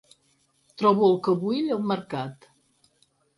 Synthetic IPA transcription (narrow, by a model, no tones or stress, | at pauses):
t̪ɾɔβuəlˠkəβuiʎəlˠməɾkat̪